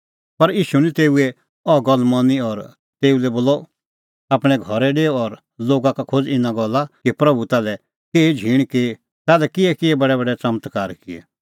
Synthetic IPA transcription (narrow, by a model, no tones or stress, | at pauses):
pɐɾjiːʃunĩt̪eːuɛ | ɔɡɔlmɔniɔɾ | t̪eːulɛboːlɔ | aːpɽ̃ɛɡʱɔɾɛɖeːɔɔɾ | loːɡakakʰod͡zɪnãɡɔlːakipɾɐbut̪aːlɛ | keːid͡ʒʱiːɽ̃ke | t̪aːlɛkɪɛkɪɛbɐɽɛbɐɖɛt͡sɐmət̪kaːɾkɪɛ̰